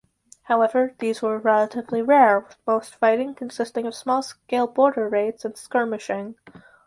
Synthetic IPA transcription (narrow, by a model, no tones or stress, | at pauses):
haʊɛvə˞ðizwə˞ɹɛlˠəɾɨvliɹɛɹmoʊstfaɪɾɪ̃ŋkʰɨ̃n̩sɪstɪ̃ŋʌv̥smɔlˠskeɪlˠbɔɹɾə˞ɹeɪtsɨ̃nskɜ˞mɨʃɪ̃ŋ